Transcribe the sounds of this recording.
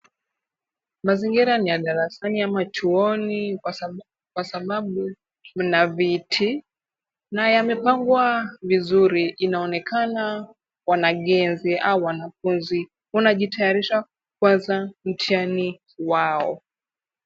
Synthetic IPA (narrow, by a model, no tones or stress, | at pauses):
maziŋɡiɾanijaɗaɾasaniamat͡ʃuɔniwa | kwasaɓaɓu | m̩navitʰi | najamɛpaŋɡwavizuɾiʔːnaɔnɛkʰana | wanaɠɛnziʔauwanafunzi | unaʄitajaɾiʃa | kwanzam̩tʰiani | waɔ̰